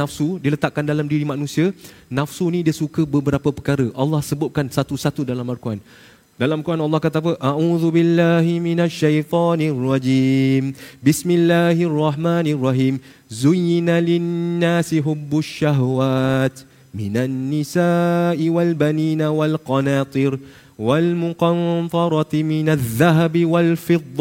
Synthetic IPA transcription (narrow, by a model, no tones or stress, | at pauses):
afsudilət̪aʔ̚kandalamdiɾimanũsia | nafsunĩdiəsukəbəbəɾapəpəkaɾəʔɑlːɑhsəbʊp̚kansat̪usat̪udalamalkuan | dalamkuanɑlːɑhkat̪ap̬əʔauːðubilːaːɦiminaʃːajt̪ɑːnirːɑd͡ʒiːmbismilːaːɦrˤːɑɦmanirˤːɑɦiːm | zʊjɪnalɪnːaːsiɦʊbːʊʃːaɦwaːt̪ | mɪnanːɪsaːʔiwalbaniːnawalqɑnaːt̪ˤɨɾ | walmʊqɑnt̪ˤɑɾˤɑt̪mɪnaðːaɦabiwalfɪd̪ˤː